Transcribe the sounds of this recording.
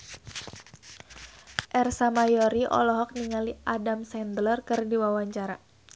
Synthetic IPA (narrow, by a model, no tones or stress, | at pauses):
ʔɛrsamajɔɾiʔɔ̰lɔɦɔk̚niŋaliʔadamsɛnd̪lɔrkɨrdiwawaɲt͡ʃaɾa